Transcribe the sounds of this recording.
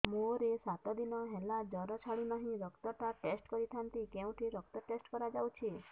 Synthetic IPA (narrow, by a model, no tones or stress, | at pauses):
moɾesat̪ɔd̪inɔɦɛlad͡ʒɔɾɔt͡ʃʰaɭinɔɦĩɾɔkt̪ɔʈaʈesʈkɔɾit̪ʰant̪ikeũʈʰiɾɔkt̪ɔʈesʈkɔɾad͡ʒawt͡ʃʰi